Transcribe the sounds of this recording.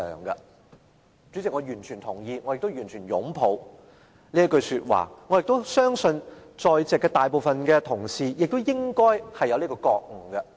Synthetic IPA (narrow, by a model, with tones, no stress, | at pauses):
œ̰ː˨˩ŋɡɐ˧ | t͡sy˨˥t͡sɪ˨k̚ŋɔː˨˧jyː˨˩nt͡ʃʰyː˨˩nt̪ʰʊ˨˩ŋjiː˧ŋɔː˨˧jɪ˨k̚t̪wjyː˨˩nt͡ʃʰyː˨˩njʊ̰˨˥ŋpʰo˨˧w | liː˥ɐ˥kɵ˧ɥsyː˧t̚wa̰ː˨˩ŋɔ˨˧jɪ˨k̚t̪sœː˥ŋsɵ˧nt͡ʃɔː˨jt͡sɛː˨kːɛː˧t̪aː˨jp̬o˨wfɐ˨nkɛː˧t̪ʰʊ˨˩ŋsiː˨jɪ˨k̚t̪o˥wjɪ˥ŋkɔː˥jhɐ˨jːɐ˨˧wliː˥kɔ˧kɔː˧k̚ŋ̩˨˩ɡɐ˧